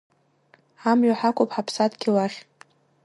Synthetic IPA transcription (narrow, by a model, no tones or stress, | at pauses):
amɥʷaħakʷʼopħapʰsatɡʲilaχʲ